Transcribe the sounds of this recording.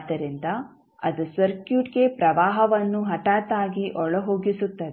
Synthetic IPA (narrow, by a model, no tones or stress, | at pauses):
d̪ɐɾind̪ɐ | ɐd̪usɐɾkjuːʈɡe̞pɾɐʋaːɦɐʋɐnːuɦɐʈaːt̪aːɡiʔɔɭɐɦoːɡisut̪ːɐd̪ɛ